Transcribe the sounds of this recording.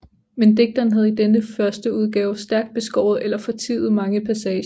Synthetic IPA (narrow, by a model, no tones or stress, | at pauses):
mend̥e̝ɡ̥̚d̥ɐːnɦæð̞̩ˠid̥enəfɶɐsd̥əuð̞ˠɡ̥ɛːʊsd̥æɐɡ̥d̥̚b̥e̝sɡ̥ɒʊ̰ð̩ˠelɐfɒ̽t͡sʰḭːð̩ˠmɑ̈ŋəpʰæsɛːɕ